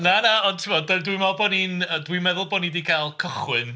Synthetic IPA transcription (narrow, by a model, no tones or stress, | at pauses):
nanaɔntʰɪmɔddədwimɔlbɔninədwimɛðʊlˠbɔnidikʰalˠkʰəχwɨn